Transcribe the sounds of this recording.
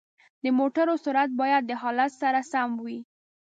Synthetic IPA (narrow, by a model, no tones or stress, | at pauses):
d̪əmoʈaɾosuɾat̪̚bɑjad̪̚ːəɦɑlat̪saɾasamwi